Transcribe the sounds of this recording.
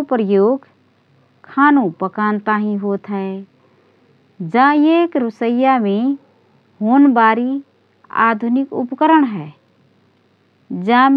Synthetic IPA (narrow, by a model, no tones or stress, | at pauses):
pɾəjoːɡʱ | kʰaːnũpəkaːnt̪aɦĩɦoːt̪ɦɛ | d͡ʒãeːkɾʊsəjamẽ | hoːnbaːɾi | a̰ːd̪ʱʊnɪkʊ̰pkəɾəɽɦɛː | d͡ʒãːm